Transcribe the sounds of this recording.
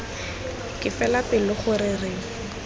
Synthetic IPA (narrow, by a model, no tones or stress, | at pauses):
kʼɪfɛlatɪlɪχʊɾɪrɪ